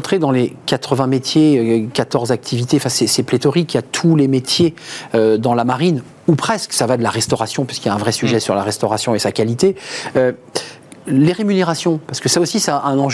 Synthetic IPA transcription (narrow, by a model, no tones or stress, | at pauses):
t̪χed̪ɑ̃lekat̪χəvɛ̃met̪jeøkat̪ɔʁzak̚t̪ʰivit̪eɑ̃fɛ̃sɛsɛplet̪ɔʁikʲiat̪ʰulemet̪jeød̪ɑ̃lamaʁin | upχɛsksavad̪əlaʁɛst̪ɔʁasjɔ̃pɥi̥skiljaɛ̃vʁɛsyʒɛsyʁlaʁɛst̪ɔʁasjɔ̃esakalit̪eø | leʁemyneʁasjɔ̃paʁsə̥kəsaosisɛɛ̃nɑ̃ʒ